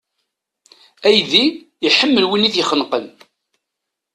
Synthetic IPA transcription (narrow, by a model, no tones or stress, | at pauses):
æjði | iħəmːəlwinːiθjəχənqəm